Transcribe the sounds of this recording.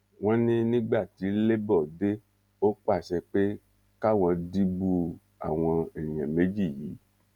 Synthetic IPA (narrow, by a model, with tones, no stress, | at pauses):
w̃ɔ̃˦nĩ˦nĩ˦ɡ͡ba˦˨ti˨˧˦le˦bɔ˦˨de˦ | o˦k͡pa˦˨ʃɛ˧k͡pe˦ | ka˦wɔ̃˧di˦bu˦ | a̰˨w̃ɔ̃˧ɛ˨j̃ɛ̃˨me˨˦d͡ʒi˦˨jiː˨˦